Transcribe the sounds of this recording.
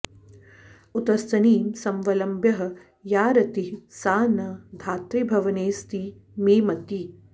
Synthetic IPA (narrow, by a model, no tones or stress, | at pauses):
ut̪ɐst̪ɐniːmsɐmʋɐlɐmbjɐɦɐ̆ | jaːɾɐt̪iɦsaːnɐd̪ʱaːt̪ɾibʱɐʋɐneːst̪i | meːmɐt̪i